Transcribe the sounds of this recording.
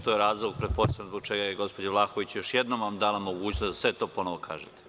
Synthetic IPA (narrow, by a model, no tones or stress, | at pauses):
t̪ojeɾaːzlˠoɡ̚pɾet̪̚po̞sjanzbo̥t͡ʃeɡajeɡo̞spo̞d͡ʑaʋlˠaːxoʋit͡ɕjoʃjed̪nomʋamd̪aːlamoɡuːt͡ɕnozd̪asʋet̪o̞ːpo̞noʋokʰa̰ːʒet̪e̥